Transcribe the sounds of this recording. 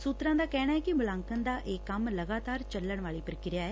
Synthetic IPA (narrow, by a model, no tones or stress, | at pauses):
suːt̪ɾãːd̪aːkɛːɽ̃aːɦɛːkɪmʊlãːŋkənd̪aːʔeːkːəmləɡaːt̪aːɾt͡ʃəlːəɳ̃ʋaːɭiːpəɾəkɪɾɪjaːɛː